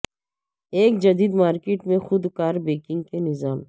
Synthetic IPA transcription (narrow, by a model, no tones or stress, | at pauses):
eːkd͡ʒɐd̪iːd̪maːɾkeːʈmẽxʊd̪kaːɾbeːkɪ̃ŋɡ̚kenɪzaːm